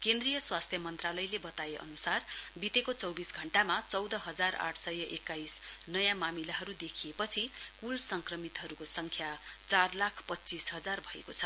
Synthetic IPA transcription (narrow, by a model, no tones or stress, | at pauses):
kend̪rijʌswast̪ʰjʌmʌnt̪ralʌjlebʌt̪aeʔʌ̰nusarbit̪ekot͡sʌwbisɡʱʌɳʈamat͡sʌwd̪ʌɦʌd͡zara̰ʈʰsʌjʌʔekːajsnʌjãmamilaɦʌɾud̪ekʰijepʌt͡sʰikulsʌŋkrʌmit̪ɦʌɾukosʌŋkʰjat͡sarlakʰpʌtːt͡sisɦʌd͡zarbʱʌḛkot͡sʰʌ